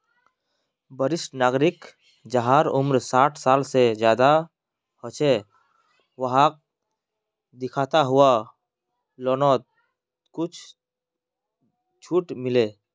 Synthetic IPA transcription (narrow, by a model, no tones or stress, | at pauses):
bəɾɪʃʈnaːɡɾɪk | d͡ʒəɦaːɾʊmɾsaːʈʰsaːlsed͡ʒjaːd̪a | hot͡ʃe | ʋəɦak̚ | d̪ɪkʰaːt̪aɦʊa | lɔːnɔːt̪̚ | kʊt͡ʃʰ | t͡ʃʰuːʈmɪle